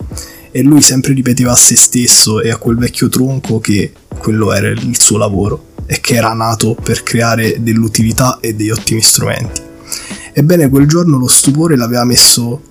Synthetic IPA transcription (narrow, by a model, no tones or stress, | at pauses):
elːuːjsɛmpɾerip̬et̪̬eːvaːsːest̪esːoeakːwelvɛkʲːot̪ɾoŋkʰok̟e | kːwelːoɛ̰ːɾa̰ilsuːolavoːɾoek̟ʰːeɛːɾanaːt̪operkɾeaːɾed̪elːut̪ilit̪aʔed̪ːejɔt̪ːimist̪ɾṵmɛ̰nt̪i̥ | ebːɛːnekweld͡ʒornolost̪up̬oːɾelaveːvamesːo